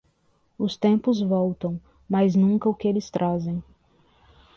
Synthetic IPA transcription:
ʊst̪ẽmpʊzvɔwt̪ɐ̃w̃ | majznũkɐʊkɪelɪst̪ɾʔazẽj̃

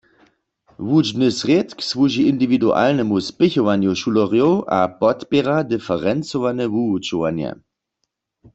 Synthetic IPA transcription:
ʋud͡ʒnɨsʁjet̪ksʋuʒiʔind̪ividuʔa̰lnɛmuspɪçɔʋanjuʃulɔʁjowʔa̰pɔt̪pɛʁadɪfɛʁɛnt͡sɔʋanɛvuut͡ʃuʋanjɛ̰

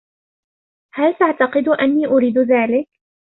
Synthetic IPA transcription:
halt̪aʕt̪ɑqɨd̪ʔanːiːʔʊɾiːd̪ðaːlɪk

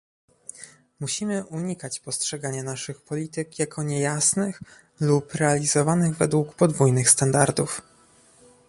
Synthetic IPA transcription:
muɕimɘʔuɲikat͡ɕpɔstʂɛɡaɲanaʂɘxpɔlʲit̪ɘkjakʰɔɲɛjasnɘx | lupɾɛalʲizɔvanɘɣvɛd̪wukpɔd̪vujnɘxst̪and̪aɾd̪uf

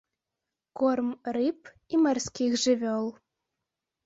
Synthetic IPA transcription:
kormrip | imɑrskʲixʒɘβʲølˠ

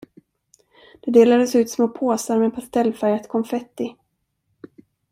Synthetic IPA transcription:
d̪̥ɛd̪eːlad̪əsʉ̟ːt̪smoːpʰoːsaɾmɛpʰast̪ʰɛlːfæɾjat̪kʰɔmfɛt̪ːɪ

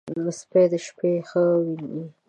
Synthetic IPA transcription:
ləsped̪əʃpexəwii

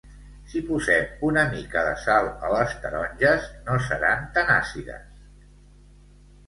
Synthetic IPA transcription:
sipuzɛmunəmikəðəsalˠələst̪əɾɔnʲʒəznosəɾant̪ana̰siðə̰s

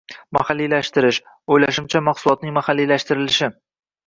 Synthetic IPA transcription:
ma̰halːilaʃt̪ɪɾɪʃ | ojlaʃɪmt͡ʃʰamaχsʊlˠɒt̪̚nɪŋmahalːilaʃt̪ɪɾɪlɪʃɪ

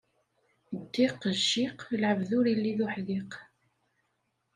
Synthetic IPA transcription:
d̪ːiqːəʒːiqlʕəvðʊɾjilːiðʊħðiq

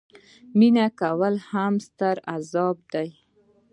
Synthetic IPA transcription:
minakawəlhamst̪əɾazɑb̚d̪aj

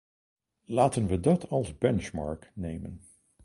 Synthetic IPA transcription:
laːtənʋədɑtʰɑlˠzbɛnt͡ʃmɑ̰ɹknejmən

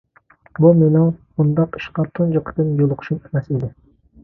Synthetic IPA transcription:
bumenɪŋbund̪ɑqi̥ʃqɑt̪ʰund͡ʒoqʰə̥t̪ɨnjolˠʊqʰʊ̥ʃumʰmɛsid̪ɪ

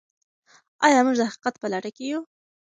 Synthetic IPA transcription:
ɑjɑmuʒd̪əhaqi̥qat̪pəlaʈəkeju

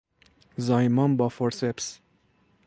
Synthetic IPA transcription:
zɑjmɑnbɑfɔɾsɛps

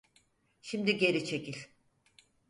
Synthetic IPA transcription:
ʃimd̪iɟe̞ɾit͡ʃʰecilʲ

